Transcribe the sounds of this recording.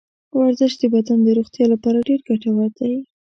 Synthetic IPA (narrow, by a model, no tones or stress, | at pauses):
waɾzəʃt̚d̪əbad̪and̪əɾoxt̪jɑlapɑɾaɖeɾɡaʈawaɾd̪aj